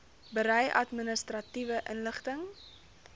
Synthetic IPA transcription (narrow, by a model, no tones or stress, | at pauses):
bəɾəjʔɐ̰tmənəstrɐtivəʔənləχtəŋ